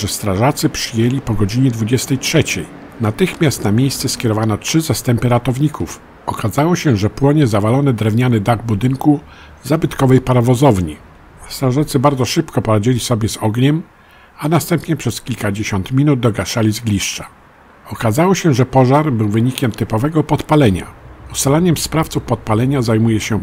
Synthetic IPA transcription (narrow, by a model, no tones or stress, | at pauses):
ʐɛst̪ɾaʐat̪sɘpʂɘjelʲipɔɡɔd͡ʑiɲɛd̪vud͡ʑɛst̪ɛjtʂɛt͡ɕɛj | nat̪ɘxmʲjast̪namʲjejst̪sɛskʲjɛɾɔvanɔtʂɘzast̪ɛmpɘɾat̪ɔvɲikʰuf | ɔkazawɔɕɛʐɛpwɔɲɛzavalɔnɛd̪ɾɛvɲanɘd̪aɡ̚bud̪ɘŋku | zabɘt̪kɔvɛjpaɾavɔzɔvɲi | st̪aʐɛt̪sɘbaɾd̪zɔʂɘpkɔpɔɾad͡ʑilʲisɔbʲjɛzɔɡɲɛm | anast̪ɛmpɲɛpʂɛskʲilkad͡ʑeɕɔnt̪mʲinud̪̚d̪ɔɡaʂalʲizɡlʲiʂt͡ʂḁ | ɔkazawɔɕɛʐɛpɔʐaɾbɘwvɘɲikʲɛmt̪ɘpɔvɛɡɔpɔt̪palɛɲa̰ust̪alaɲɛmspɾaft̪sufpɔt̪̚palɛɲazajmujɛɕɛ